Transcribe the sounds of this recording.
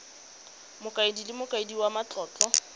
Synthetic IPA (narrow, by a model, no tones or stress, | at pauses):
mʊkʼaɪdilɪmʊkʼaɪdiwamat͡ɬʼɔːt͡ɬʼɔ